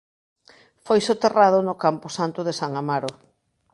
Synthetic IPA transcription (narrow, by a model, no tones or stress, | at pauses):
fojsot̪eraðʊnʊkampʊsant̪ʊðesaŋamaɾo